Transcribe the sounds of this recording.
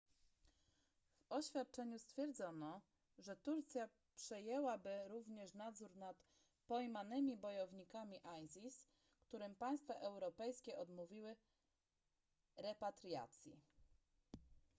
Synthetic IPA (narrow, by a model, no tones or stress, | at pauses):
vɔɕfʲjat̪̚t͡ʂɛɲust̪fʲjɛɾd̪zɔnɔ | ʐɛt̪uɾt̪sʲja | pʂɛjɛwabɘɾuvɲɛʂnad̪zuɾnat̪ | pɔjmanɘmʲibɔjɔvɲikamʲiʔajzʲis | kt̪uɾɘmpaj̃st̪faʔɛwɾɔpɛjskʲɛʔɔd̪muvʲiwɘ | ɾɛpat̪ɾʲja̰t̪sʲjḭ